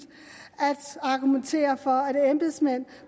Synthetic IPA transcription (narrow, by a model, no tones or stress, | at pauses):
ʔæd̥ɑ̈ɡ̥ument͡sʰe̝̰ːɐfɒ̽ædemb̥esmæn̰